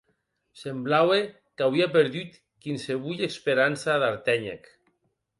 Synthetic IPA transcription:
semblawe | kawiapeɾðyt̪ | kinseβ̞uʎekspeɾansaðaɾt̪ɛɲḛk

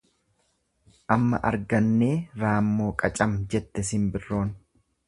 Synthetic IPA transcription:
ʔɐmːɐ̰ʔɐ̰ɾɡɐnːeːɾaːmːo̞ːkʼɐt͡ʃʼɐmd͡ʒɛt̪ːɛsɪmbɪrːo̞ːn

